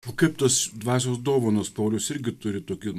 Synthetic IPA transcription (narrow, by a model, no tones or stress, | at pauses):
oːkɐɪpt̪ɐsd̪ʋɑːsʲoːsd̪oːʋoːnɐspɐʊlʲʊsɪɾʲɡʲɪt̪ʊɾʲɪt̪oːkʲɪ